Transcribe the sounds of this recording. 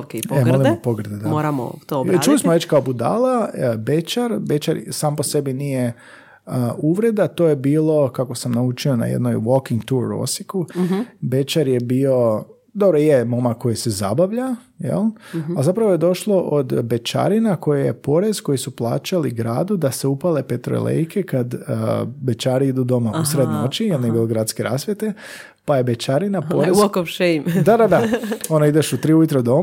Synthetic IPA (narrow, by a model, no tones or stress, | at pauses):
keemolˠimmopoɡr̩d̪ed̪amoɾamo̰t̪ot͡ʃulismoʋet͡ʃkaobud̪a̰labe̞t͡ʃaɾbe̞t͡ʃaɾsaːmpo̞se̞binije̞ | əʔuʋɾe̞d̪at̪oːjebiːlˠo̞kakosamnaut͡ʃio̞na̰jḛd̪nojʋokiŋɡt̪uɾːo̰sikube̞t͡ʃaɾje̞bio̞ | d̪obɾojemo̞mako̞jiseza̰baʋʎa | jḛlˠalzapɾaʋoje̞d̪o̞ʃlˠo̞ʔod̪be̞t͡ʃa̰ɾinako̞jeje̞̰po̞ɾe̞z̥ko̞jisuplˠa̰ːt͡ʃaliɡɾa̰ːd̪ud̪aseupale̞pe̞t̪ɾo̰lḛjkʰe̞kad̪ | be̞t͡ʃaːɾiid̪ud̪o̞mausɾed̪no̞t͡ʃijelnijebiloɡɾaːd̪skeɾa̰ːsʋjet̪e̞ | paje̞be̞t͡ʃaɾinapoɾɾezokofʃemd̪ad̪ad̪aonoid̪e̞ʃut̪ɾiujut̪ɾed̪o̞m